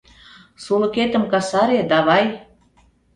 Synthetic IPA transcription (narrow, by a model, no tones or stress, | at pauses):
sulə̆ket̪ə̆mkɑsɑɾed̪ɑβɑj